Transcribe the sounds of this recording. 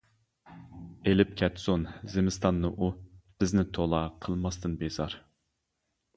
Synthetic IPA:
elɪp̚kʲʰɛt̪sonzɪmɪst̪ɑnːɨʔub̥ɪznɪt̪ʰolˠɑqʰəlˠmɑst̪ɨnbezɑɾ

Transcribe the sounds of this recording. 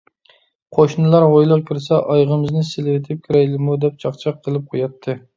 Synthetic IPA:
qʰoʃnɨlˠɑɾʁojlˠəqkʰʲiɾsɛʔɑjʁəmɨznɨselɪwɪt̪ʰɪp̚kʲʰiɾɛjlɪmud̪ɛp̚t͡ʃʰɑχt͡ʃʰɑqʰːəlˠɨp̚qʰojɑt̪ʰːɨ

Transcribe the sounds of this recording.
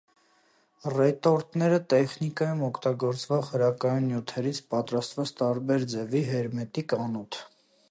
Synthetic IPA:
rɛt̪ɔɾt̪nɛɾət̪ɛχnikɑjumɔkʰt̪ɑɡɔɾt͡svɔʁhəɾɑkɑjunjut̪ʰɛɾit͡sʰpɑt̪ɾɑst̪vɛt͡sʰt̪ɑɾbɛɾd͡zɛviɦɛɾmɛt̪ikɑnut̪ʰ

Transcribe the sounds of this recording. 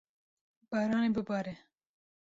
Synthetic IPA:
b̥aːɾɑːnebəbɑːɾe

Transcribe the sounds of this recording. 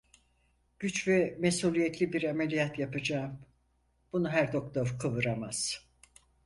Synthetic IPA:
ɟ̥yt͡ʃvɛmesulʲijɛt̪ʰlʲibiɾamelʲijat̪japɯd͡ʒaːm | b̥unuɦæɾd̪o̞k̚t̪oɾkʰɯvɯɾamaz̥

